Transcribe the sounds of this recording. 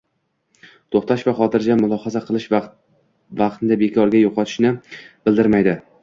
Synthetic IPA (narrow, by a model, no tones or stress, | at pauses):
t̪ʰoχt̪ʰaʃvaχɒt̪ʰɪɾd͡ʒamʊlˠɒχɑzaqʰɨlˠɪʃ | vɑq̚t̪ɪnd̪abe̞kʲʰɒɾɡʲajoqʰɒt̪ʰɪ̥ʃnɪb̥ɪld̪ɪɾmajd̪ɪ